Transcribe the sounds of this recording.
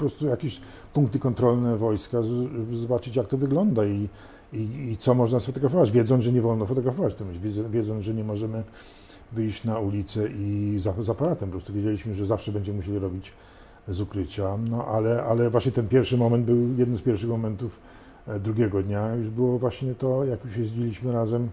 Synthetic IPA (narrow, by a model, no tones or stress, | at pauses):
ɔpɾɔst̪ujakʲeɕ | pũŋk̚t̪ɘkɔnt̪ɾɔlnɛvɔjskaʐɛʐɛbɘzɔbat͡ʂɘt͡ɕjak̚t̪ɔvɘɡlɔnd̪ai | iːt̪sɔmɔʐnasfɔt̪ɔɡɾafɔvad͡ʑvʲjɛd̪zɔnʐɛɲɛvɔlnɔfɔt̪ɔɡɾafɔvat͡ɕt̪ɔmvʲjɛvʲjɛd̪zɔnʐɛɲɛmɔʐɛmɘ | vɘjɕt͡ɕnaulʲit̪sɛʔizazapaɾat̪ɛmpɔpɾɔst̪uvʲjed͡ʑelʲiɕmɘʐɛzafʂɛbɛɲd͡ʑɛmɘmuɕelʲiɾɔbʲid͡ʑ | zukɾɘt͡ɕanɔʔalɛʔalɛvwaɕɲɛt̪ɛnpʲjɛɾfʂɘmɔmɛnd̪̚bɘwjɛd̪nɨmspʲjɛɾfʂɘxmɔmɛnt̪uf | d̪ɾuɡʲjɛɡɔd̪ɲajuʐbɘwɔvwaɕɲɛt̪ɔjakjuʂjɛzd͡ʑilʲiɕmɘɾazɛm